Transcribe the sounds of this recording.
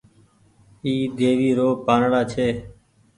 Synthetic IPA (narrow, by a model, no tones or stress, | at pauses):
iːd̪eːʋiːɾoːpaːnɽaːt͡ʃʰeː